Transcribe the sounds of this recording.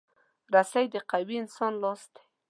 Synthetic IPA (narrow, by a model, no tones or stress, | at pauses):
ɾasajd̪əqawiɪnsɑnlɑst̪e̥